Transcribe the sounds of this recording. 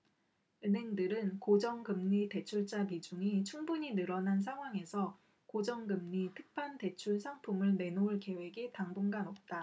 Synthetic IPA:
ɯnɦe̞ŋdɯɾɯnkod͡ʑʌŋɡɯmɲite̞t͡ɕʰuɭt͡ɕ͈amid͡ʑuŋit͡ɕʰuŋbuɲinɯɾʌnans̬ʰaŋɦwaŋe̞sʰʌ | kod͡ʑʌŋɡɯmɲitʰɯk̚pʰante̞t͡ɕʰuɭsʰaŋpʰumɯɭne̞nouɭke̞we̞ɡitaŋbunɡanʌp̚t͈a

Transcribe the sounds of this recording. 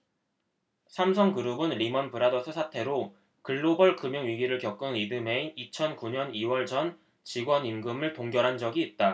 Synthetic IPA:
sʰamsʰʌŋkɯɾubɯnɾimʌnpɯɾadʌsʰɯsʰatʰe̞ɾo | kɯɭːobʌɭkɯmjuŋɥiɡiɾɯɭkjʌk̚k͈ɯnidɯmeit͡ɕʰʌnkuɲʌniwʌɭd͡ʑʌn | t͡ɕiɡwʌninɡɯmɯɭtoŋɡjʌɾɦand͡ʑʌɡiːt̚t͈a

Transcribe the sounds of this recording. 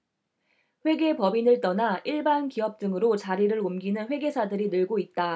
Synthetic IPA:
ɸwe̞ɡe̞pʌbinɯɭt͈ʌnaʔiɭbankiʌp̚t͈ɯŋɯɾot͡ɕaɾiɾɯɾomɡinɯnɸwe̞ɡe̞sʰadɯɾinɯɭɡoit̚t͈a

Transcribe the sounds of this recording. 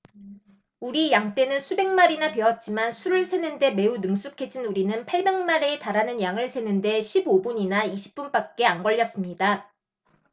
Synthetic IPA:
uɾijaŋt͈e̞nɯnsʰube̞ŋmaɾinatwe̞ʌt̚t͡ɕ͈imansʰuɾɯɭsʰe̞nɯnde̞me̞unɯŋsʰukʰe̞d͡ʑinuɾinɯnpʰaɭbe̞ŋmaɾeːtaɾanɯnjaŋɯɭsʰe̞nɯnde̞ɕʰibobuɲinaiɕʰi̥p̚p͈unp͈at̚k͈e̞anɡʌʎːʌs͈ɯmɲida

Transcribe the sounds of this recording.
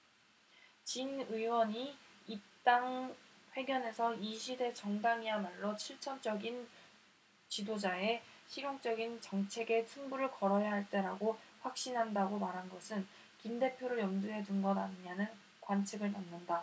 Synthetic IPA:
t͡ɕinɯiwʌɲiip̚t͈aŋɸwe̞ɡjʌne̞sʰʌiɕʰide̞t͡ɕʌŋdaŋiamaɭːot͡ɕʰiɭt͡ɕʰʌnt͡ɕ͈ʌɡin | t͡ɕidod͡ʑae̞ɕʰiɾjoŋt͡ɕ͈ʌɡint͡ɕʌŋt͡ɕʰe̞ɡe̞t͡ɕʰuŋbuɾɯɭkʌɾʌjaɦaɭt͈e̞ɾaɡoɸwak̚ɕ͈inɦandaɡomaɾɦanɡʌsʰɯn | kimde̞pʰjoɾɯɭjʌmduɦe̞dunɡʌnanɲanɯn | kwant͡ɕʰiɡɯɭnannːɯnda

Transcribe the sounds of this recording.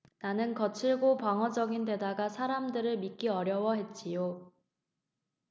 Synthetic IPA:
nanɯnkʌt͡ɕʰiɭɡopaŋwʌd͡ʑʌɡinde̞daɡasʰaɾamdɯɾɯɭmik͈iʌɾjʌwʌɦe̞t̚t͡ɕ͈ijo

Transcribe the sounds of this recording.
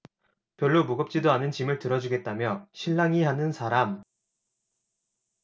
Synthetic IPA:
pjʌɭːomuɡʌp̚t͡ɕ͈idoanɯnt͡ɕimɯɭtɯɾʌd͡ʑuɡe̞t̚t͈amjʌɕʰiɭːaŋiɦanɯnsʰaɾam

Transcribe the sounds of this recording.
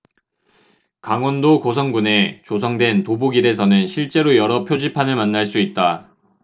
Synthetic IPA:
kaŋwʌndokosʰʌŋɡune̞t͡ɕos̬ʰʌŋdwe̞ntoboɡiɾe̞s̬ʰʌnɯnɕʰiɭt͡ɕ͈e̞ɾojʌɾʌpʰjod͡ʑipʰanɯɭmanːaɭs͈uit̚t͈a

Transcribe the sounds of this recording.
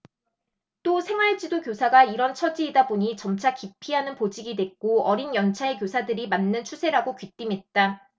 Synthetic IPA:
t͈osʰe̞ŋwaɭt͡ɕ͈idokjosʰaɡaiɾʌnt͡ɕʰʌd͡ʑiːdaboɲit͡ɕʌmt͡ɕʰakipʰiɦanɯnpod͡ʑiɡidwe̞k͈oʌɾinjʌnt͡ɕʰaekjosʰadɯɾimanːɯnt͡ɕʰusʰe̞ɾaɡokɥit͈imɦe̞t̚t͈a

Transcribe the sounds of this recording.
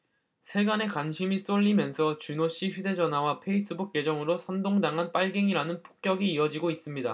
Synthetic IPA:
sʰe̞ɡane̞kwanɕʰimis͈oʎːimjʌnsʰʌt͡ɕunoɕ͈iɸjude̞d͡ʑʌnɦawapʰe̞is͈ɯbuk͈̚je̞d͡ʑʌŋɯɾosʰʌndoŋdaŋɦanp͈aɭɡe̞ŋiɾanɯnpʰo̥k̚k͈jʌɡiːʌd͡ʑiɡois͈ɯmɲida

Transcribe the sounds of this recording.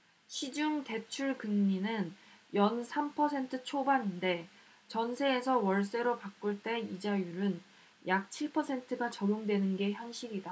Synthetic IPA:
ɕʰid͡ʑuŋte̞t͡ɕʰuɭkɯŋɲinɯnjʌnsʰampʰʌsʰe̞ntʰɯt͡ɕʰobaninde̞ | t͡ɕʌnsʰe̞ːsʰʌwʌɭs͈e̞ɾopak͈uɭt͈e̞id͡ʑajuɾɯn | jak̚t͡ɕʰiɭpʰʌsʰe̞ntʰɯɡat͡ɕʌɡjoŋdwe̞nɯnɡe̞çjʌnɕ͈ʰiɾida

